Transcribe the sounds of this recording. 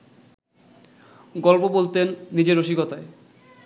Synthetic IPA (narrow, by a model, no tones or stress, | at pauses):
ɡɔlpobolt̪enːid͡ʑeɾoʃiɡɔt̪ae